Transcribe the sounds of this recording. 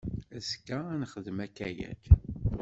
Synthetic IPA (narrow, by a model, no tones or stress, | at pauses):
æskːæænχəðmækːæjæ̰d